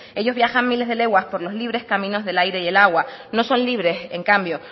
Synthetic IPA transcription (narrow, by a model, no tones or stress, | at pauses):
e̞ʝo̞zβjaxammile̞zðele̞ɣwaspo̞ɾlo̞zliβɾe̞skamĩno̞zðe̞lajɾe̞ðe̞laɣwano̞sõ̞nliβ̞ɾe̞se̞ŋkambjo̞